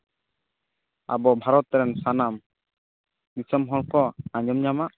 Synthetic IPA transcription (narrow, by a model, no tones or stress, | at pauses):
a̰bɔbʱaɾɔt̪ːɾɛnsanam | bisəmɦɔɽkɔãɲd͡ʒɔmɲamaʔ